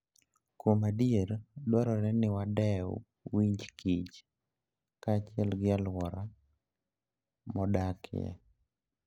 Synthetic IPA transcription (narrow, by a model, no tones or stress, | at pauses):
komadieɾdwaɾɔɾɛnɪwadɛw | wiɲd͡ʒkʰit͡ʃ | kaːt͡ʃɪɛlɡɪalwɔɾa | mɔdakʰɪ̰jɛ̰